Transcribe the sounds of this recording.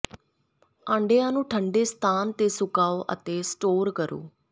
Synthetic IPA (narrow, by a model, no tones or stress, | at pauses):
ãːɳɖeːãːnũːʈʰəɳɖeːst̪ʰaːnt̪eːsʊkaːoːʔə̰t̪eːsʈoːɾkəɾo̰ː